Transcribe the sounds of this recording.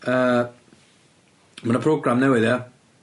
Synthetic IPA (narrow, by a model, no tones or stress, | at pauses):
əː | manəpʰroːɡramnɛwɪðja